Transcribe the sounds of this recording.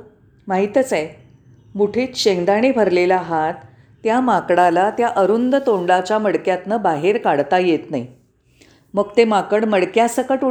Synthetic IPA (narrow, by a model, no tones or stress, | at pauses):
maɦit̪ət͡saj | muʈʰiːt̪ɕeŋd̪aɽ̃ebʱəɾlelaɦat̪ː | jamakɽalat̪jaʔəɾund̪ət̪oɳɖat͡ɕaməɽkjat̪nəbaɦeɾkaɽt̪ajet̪nai | məɡt̪emakəɽməɽkjasəkəʈu